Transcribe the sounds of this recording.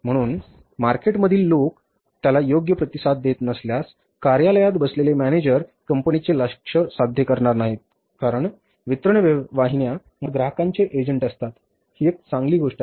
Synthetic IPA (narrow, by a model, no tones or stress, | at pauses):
m̤əɽ̃uːn | maɾkeʈməd̪ʱiːlːok | t̪jalajoɡjəpɾət̪isad̪ːet̪nəsljas | kaɾjaləjat̪bəslelemæned͡ʑəɾkəmpənit͡seləkʂəsad̪ʱjəkəɾɳaɾnaɦit̪̚ | kaɾəɳ | ʋit̪ɾəɳʋʋaɦinja | məɡɾaɦəkant͡seʔed͡ʑəɳʈəst̪at̪ | hiek̚t͡sãŋɡliːɡoʂʈa